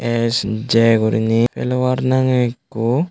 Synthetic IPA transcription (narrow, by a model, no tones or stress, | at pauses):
esd͡ʒeɡuɾḭnipḛlʋaɾnaŋekːu